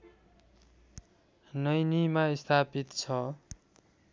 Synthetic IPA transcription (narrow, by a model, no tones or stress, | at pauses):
nʌjnimaist̪ʰapit̪t͡sʰʌ